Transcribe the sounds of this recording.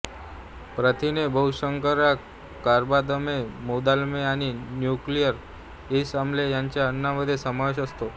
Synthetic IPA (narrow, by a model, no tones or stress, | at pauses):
pɾət̪ʰinebəwʃəŋkəɾa | kːaɾbad̪əmemod̪almeaninjuklijəɾ | esamlejãɲt͡ɕaənːaʋəd̪ʱesəmaʋeʃəst̪o